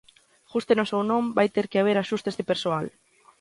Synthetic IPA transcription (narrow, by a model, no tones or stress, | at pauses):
xust̪enosewnõmbajt̪eɾkeaβ̞eɾaʃust̪ezðepeɾsoal